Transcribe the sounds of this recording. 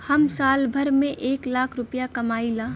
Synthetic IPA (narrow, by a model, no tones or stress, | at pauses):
hɐmsaːlbʱəɾmẽʔeːklaːkʰɾʊpjakɐmaːilaː